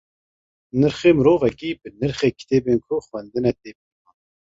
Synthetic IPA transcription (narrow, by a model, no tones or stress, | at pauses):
nɨɾχeːmɨɾoːvɛkiːbɨnɨɾχeːkʰi̥t̪ʰeːbeːnkʰʊxwɛnd̪ɨnɛt̪eːbimɑn